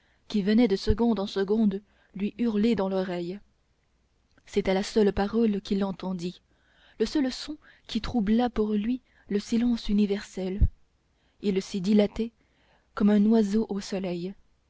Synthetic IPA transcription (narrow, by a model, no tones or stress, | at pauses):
kʲivənɛd̪əsəɡɔ̃d̪ɑ̃səɡɔ̃d̪ | lɥiʔyʁled̪ɑ̃lɔʁɛj | sɛt̪ɛlasœlpaʁɔlkʲilːɑ̃t̪ɑ̃d̪i | ləsœlsɔ̃ | kʲit̪χublapuʁlɥi | ləsilɑ̃synivɛʁsɛl | ilsid̪ilat̪ɛ | kɔmɛ̃nwazoʔosɔlɛj